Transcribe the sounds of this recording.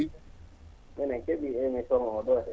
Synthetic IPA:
mɛnɛkebiemitɔŋɔɔdɔ

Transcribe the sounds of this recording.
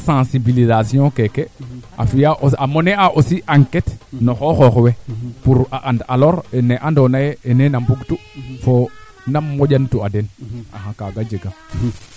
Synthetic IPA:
sãsibilizasijõkekea̰fijaʔoamoneaʔosiʔaŋketnoxoxoxwepuɾaʔandaloɾeneʔandonajeːnenambuɡtufo | namːoɟantuadena̰ɦãkaɡad͡ʒeɡa

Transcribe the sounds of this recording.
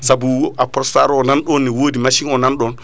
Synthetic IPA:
sabuapɔstaɾɔnanɗɔnːɛwoːdimaʃiŋɔnanɗɔn

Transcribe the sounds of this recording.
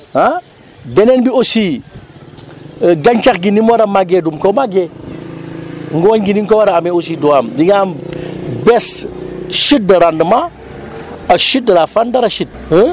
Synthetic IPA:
a | bɛnɛnbiosiː | ɡaɲt͡ʃaxɡinimoɾɐmaɡedumkomaɡe | ŋɡuwoɲɡiniŋkɔwaɾaamɛos̬iduwaːmdiŋambɛs | ʃit̚dɐɾandəma | ɐkʃit̚dɐlafandɐɾɐʃit̚ə

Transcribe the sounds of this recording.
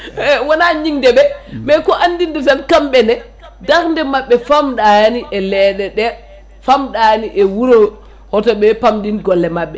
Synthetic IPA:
wɔnaɲiŋdɛbɛmɛkɔʔandindɛs̬alkamɓɛnɛ | daɾndɛmaɓːɛfamɗaniʔɛlɛːɗɛɗɛ | famɗaniʔɛwuɾɔ | hɔtɔɓɛpamdinɡɔlːɛmaɓːɛ

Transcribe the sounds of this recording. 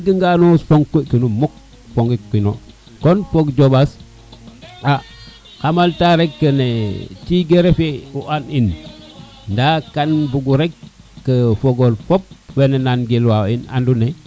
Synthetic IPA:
ɡiŋɡanosfoŋkokənumuk̚ | foŋɡikwino̰ | konpokd͡ʒobas | a | kamaltaɾekːənet͡ʃiɡeɾefeuʔanin | ndakanbuɡuɾekː | əfoɡolfop̚wenenanɡelwaina̰ndune

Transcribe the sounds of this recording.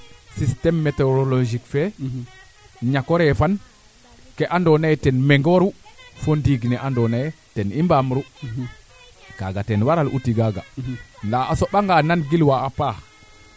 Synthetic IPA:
sistɛmːɛtɛɾɔlod͡ʒikfɛ | ɲakɔɾɛfan | kɛʔandɔnajɛtɛnmɛŋɡɔɾufɔndiɡnɛʔandɔnajɛ | tɛnimbamɾu | ɡ̥aɡatɛnwaɾalʔṵtiɡaɡa̰ndaasɔɓaŋɡananɡilwaːpa

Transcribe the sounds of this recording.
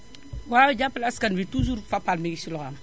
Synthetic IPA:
wawid͡ʒapːalaskanbituz̬uɾfapːalmiɡisilɔxam

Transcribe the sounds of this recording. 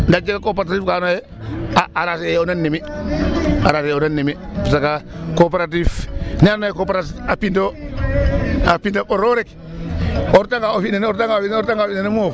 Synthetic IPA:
ndad͡ʒekakopeɾaatifkanoje | aʔaɾasejonanːimi | aɾasejonanːimipisakakopeɾat̬ifnanojekopeɾasapinto | apintoʔoɾoɾek | oɾtaŋɡaofinenoɾtaŋafioɾtaŋɡafinenemof

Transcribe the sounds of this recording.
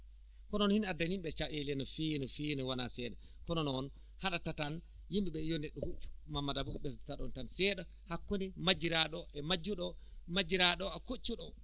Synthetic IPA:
kɔnɔnhinadanimɓɛt͡ʃaʔelɛnɔfinɔfinɛwanasɛdɛ | kɔnɔnɔn | haɗatatan | jimbiɓɛjɔnɛɗːɔhut͡ʃːu̥mamːadabukɓɛstḁtaɗɔntansɛɗɔ | hakːɔnɛmad͡ʒiɾaɗɔʔɛmad͡ʒːuɗɔmad͡ʒiɾaɗɔakot͡ʃːuɗɔ

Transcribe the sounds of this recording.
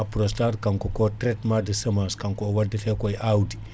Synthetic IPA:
apɾostaɾkaŋkokotɾetmadəsɐmaskaŋkowadːɐfekojʔawdi

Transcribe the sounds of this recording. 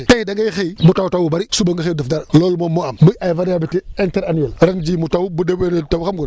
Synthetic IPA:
tajdaŋɡajxejmutawutawubaɾisubaŋɡəxedəfdaɾlolmomoammuajvanjabitienteɾanuelɾand͡ʒimutawubudebeɾetawuxamɡuɾ

